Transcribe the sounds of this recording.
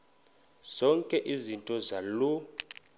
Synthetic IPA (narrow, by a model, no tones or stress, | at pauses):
z̥ɔŋkʼɛʔizintʼɔzalu